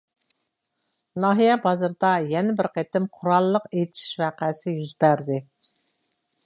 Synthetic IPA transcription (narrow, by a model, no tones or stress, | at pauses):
nɑːɦijɛbɑzɨɾd̪ɑjɛnɪbɪɾqʰet̪ɪmqʰʊɾɑlˠːəqet̪ʰɪ̥i̥ʃwæːqæsɪjyzbæɾd̪ɪ